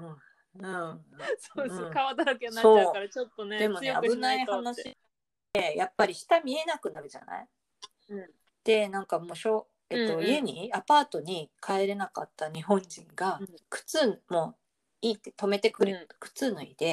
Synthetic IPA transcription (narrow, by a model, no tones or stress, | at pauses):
ɯ̃ | ɯ̃soːd̪eɯ̟̃kaβat̪aɾakʲenao̞ːaɾat͡ɕot̪ːoned̪e̞mo̞na̰bɯ̟naihanaɕi | e̞japːaɾʲiɕi̥t̪amʲie̞nakɯ̟naɾɯ̟ʑa̰na̰i | d̪̥e̞nãŋkamo̞ːɕo̞ | e̞t̪ːo̞ie̞ɲ̟iapaːt̪o̞ɲ̟ikʰaeɾe̞naka̰t̪ːaɲ̟iɦõ̞ɲd͡ʑĩŋɡakɯ̟̥t͡sɨːmo̞ː | iːt̪ːet̪o̞me̞t̪e̞kɯ̟ɾɯkɯ̟̥t͡sɨːnoḭd̪̥e̞